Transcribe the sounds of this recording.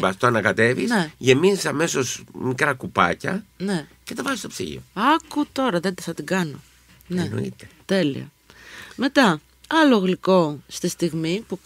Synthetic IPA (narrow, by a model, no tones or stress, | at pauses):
vɐst̪oɐnɐkɐt̪e̞vḭseʝe̞minisɐme̞so̞smikɾɐkupɐ̰cɐnece̞t̪ɐvɐzist̪opsḭʝḭoɐkut̪o̞ɾɐðe̞nd̪ɐθɐt̪iɡɐno | neno̰ḭt̪et̪e̞lḭɐ̰ | me̞t̪ɐ | ɐloɣliko̞st̪ist̪iɣmipu